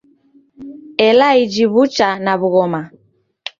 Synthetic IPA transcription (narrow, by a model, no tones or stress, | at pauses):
ɛlaid͡ʒiβut͡ʃanaβuɣɔma